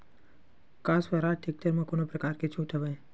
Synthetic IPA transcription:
kasʋaɾaʈʰek̚ʈəɾmãkonopɾəkaɾket͡ʃʰũʈ̪ʰəʋaj

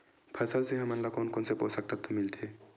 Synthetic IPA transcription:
pʰəsəlseɦəmənlakonkonsepo̰ːsək̚t̪at̪omɪlt̪ʰe

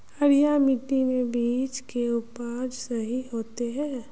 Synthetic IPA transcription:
ɐɾijamɪʈimebiːt͡ʃkeʊpaːd͡ʒsɐɦiɦoːt̪eɦɛ̃ː

